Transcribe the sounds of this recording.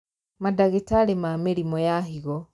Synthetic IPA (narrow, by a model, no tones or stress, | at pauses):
madaɣetalemameɾimɔjaɦiɣɔ